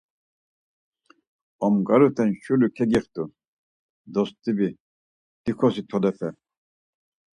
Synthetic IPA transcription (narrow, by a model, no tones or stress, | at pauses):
ɔmɡaɾut̪ʰɛnʃulukʰɛɡiχt̪u | d̪ɔst̪ibi | d̪̥ixʰɔsit̪ʰɔd̪ɛfɛ